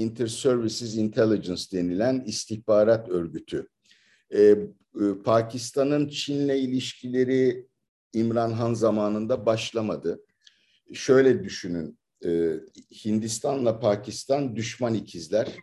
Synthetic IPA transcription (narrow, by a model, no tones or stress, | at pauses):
int̪ʰɛɾsøɾvisizint̪ʰelʲˠid͡ʒɛnsd̪e̞nilʲænist̪ʰiçbaːɾat̪ø̞ɾɟyt̪ʰy | ɛ | pʰaːcʰist̪ʰanɯnt͡ʃʰinlʲɛilʲiʃcʰilʲe̞ɾi | imɾanɦanzamaːnɯnd̪abaʃlˠamad̪ɯ | ʃø̞jlʲɛd̪yʃynyn | ɯːhind̪ist̪ʰanlˠapʰaːcʰist̪ʰand̪yʃmanicʰizlʲæɾ̥